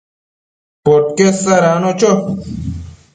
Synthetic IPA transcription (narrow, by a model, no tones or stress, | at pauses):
poʈ̚kesɐɾaːnot͡ɕo